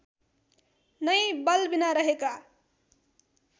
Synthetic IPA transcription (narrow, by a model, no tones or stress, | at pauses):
nəjbʌlbinaɾəɦeka